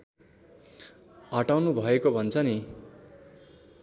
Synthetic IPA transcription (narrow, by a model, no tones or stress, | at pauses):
ɦʌʈawnubʱʌekobʱʌnt͡sʰʌni